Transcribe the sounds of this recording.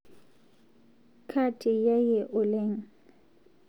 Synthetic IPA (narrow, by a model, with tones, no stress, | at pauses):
kʰa˦tʰʼɪ˨ja˦jɛ˨ʔʊ˨le˦ŋ̩˨